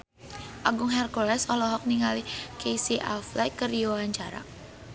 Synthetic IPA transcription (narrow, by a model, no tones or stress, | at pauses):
ʔaɡʊŋɦɛrkolɛsɔlɔɦɔk̚niŋalikesiʔa̰flajkəriawaɲt͡ʃaɾa̰